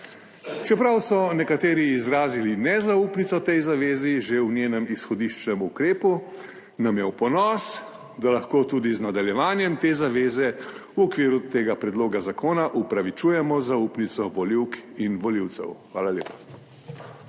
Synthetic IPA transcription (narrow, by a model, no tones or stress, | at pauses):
t͡ʃɛpɾawsɔnɛkat̪eːɾiːzɾaːzilinɛzaupnit̪sɔt̪ɛjzaʋeːziʒewnjeːnɛmisxɔd̪iʃt͡ʃnɛmukɾeːpu | namjɛwpɔnɔs | d̪alaxkoːt̪uːd̪iznad̪aljɛʋaːnjɛmt̪eːzaʋeːzɛwɔkʋiːɾut̪eːɡapɾɛd̪loːɡazakoːnaʔupɾaʋit͡ʃuːjɛmɔzauːpnit̪sɔʋɔliwkinʋɔliwt̪sɛ̰wxʋaːlaljeːpḁ